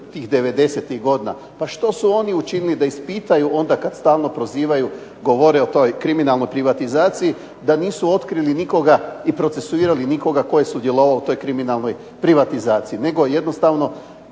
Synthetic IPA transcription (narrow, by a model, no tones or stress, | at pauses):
t̪iːxd̪e̞ʋe̞d̪e̞set̪iɣɡo̞d̪ina̰ | paʃt̪o̞suo̞niut͡ʃinilid̪aispit̪ajuʔo̞nd̪akad̪st̪aːlˠno̞pɾo̞ziːʋaju | ɡo̞ʋo̞ɾeot̪ojkɾiminalˠno̞jpɾiʋat̪izaːt̪siji | d̪aniːsuo̞t̪kɾiliniko̞ɡaipɾo̞t̪se̞suiːɾaliniko̞ɡako̞jesud̪je̞lo̞ʋaout̪o̞jkɾiminalˠno̞j | pɾiʋat̪izaːt̪siine̞ɡo̞je̞d̪no̞st̪aʋno̞